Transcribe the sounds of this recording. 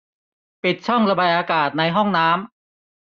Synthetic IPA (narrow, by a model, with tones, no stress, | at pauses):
pi˨˩t̪̚t͡ɕʰɔ˥˩ŋɾa˧ba˨˩ʔaː˧kaː˨˩t̪̚na˧jɦɔ˥˩ŋnaː˦˥m